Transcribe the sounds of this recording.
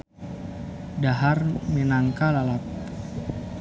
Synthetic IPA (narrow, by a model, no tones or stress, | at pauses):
daɦarmenaŋkalalap̚